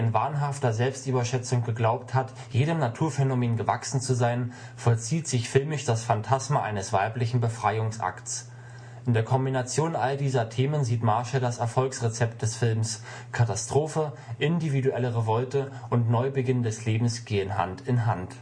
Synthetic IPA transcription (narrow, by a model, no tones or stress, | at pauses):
ʔɪnva̰ːɐnɦaftɐzɛlpstʔyːbɐʃɛt͡sʊŋɡ̥əɡlaʊp̚that | jeːɾəmnatʰuːɐfɛnomeːnɡəvaksn̩t͡suzaɪn | fɔɐt͡siːtz̥ɪçfɪlmɪʃd̥asfantʰasmaʔa̰ɪnəsv̥aɪplɪçn̩bəfʁ̥aɪʊŋsʔa̰kts | ʔʔɪndeːɐkʰɔmbinat͡sjoːnʔaldiːzɐtʰeːmənziːtmaɐʃadasɛɐfɔlksʁet͡sɛp̚t̚d̥ɛsfɪlms | kʰatastʁ̥oːfə | ʔɪndividuʔɛləʁevɔltəʔʊntnɔʏbəɡɪndɛsleːbm̩sɡ̥eːənɦa̰ntɪnɦa̰nt